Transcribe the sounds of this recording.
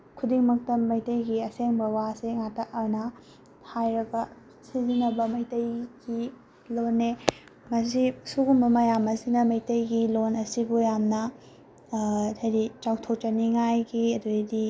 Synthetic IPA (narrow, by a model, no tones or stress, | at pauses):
kʰudiŋmɐk̚tɐmɐjtɐjɡiɐseŋbɐwaseŋatɐɐɾnɐ | hajɾɐɡɐ | sizinɐbɐmɐjtɐjɡi | lonːe | mɐs̬isuɡumbɐmɐjamɐsinɐmɐjtɐjɡilonɐsibujamnɐ | ɐjdit͡ʃawtʰok̚t͡ʃɐniŋajɡiɐduedi